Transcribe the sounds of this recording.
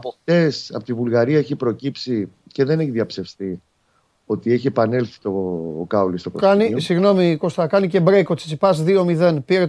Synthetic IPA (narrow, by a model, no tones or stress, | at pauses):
ɐpokt̪e̞sɐ̰pot̪ivulɣɐɾiɐeçipɾo̞cipsice̞ðe̞neçiðiɐpse̞fst̪i | o̞t̪ieçie̞pɐnelθi̥t̪o̞kɐolist̪okokanisiɣno̞miko̞st̪ɐkɐnice̞bɾekot̪si̥t͡sipɐsðio̞miðe̞npiɾe